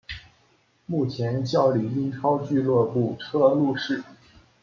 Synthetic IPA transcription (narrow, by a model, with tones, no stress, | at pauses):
mu˥˩t͡ɕʰjɛ˧˥nt͡ɕjɑ˥˩ʊli˨˩i˥nʈ͡ʂʰɑ˥ʊt͡ɕy˥˧lwɔ˥˧pu˥˩ʈ͡ʂʰɤ˥lu˥˧ʂɻ̩˥˩